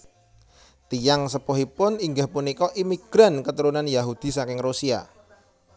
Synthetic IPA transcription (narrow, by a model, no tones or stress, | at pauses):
t̪ijaŋsəpoɦipʊniŋɡahpunikɔʔimiɡ̥ɾankət̪əɾunanjaɦud̪̥i̤sakɪŋrusia̰